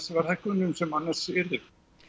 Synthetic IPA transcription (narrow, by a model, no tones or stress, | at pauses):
svaɾ̥hɛhkʏnʏmsɛmanːḁsɪɾɪ